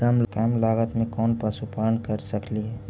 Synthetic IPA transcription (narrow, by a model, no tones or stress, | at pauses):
əmkamlaɡət̪mekɔnpəsupankəɾsəkli